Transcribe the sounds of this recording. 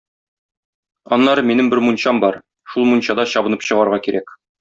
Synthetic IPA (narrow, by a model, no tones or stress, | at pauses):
ɒnːɑɾɤminɘmbɘɾmunɕɑmbɒɾ | ʃulˠmunʲɕɑd̪ɑɕɒbɤ̆nɤpɕɤ̆ʁɑɾʁɑkiɾæk